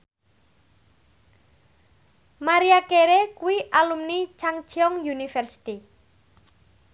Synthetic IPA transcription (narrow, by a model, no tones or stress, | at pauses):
maɾiakeɾekuwiʔalumnit͡ʃaŋ̥t͡ʃɔŋjunifɛrsi̥t̪i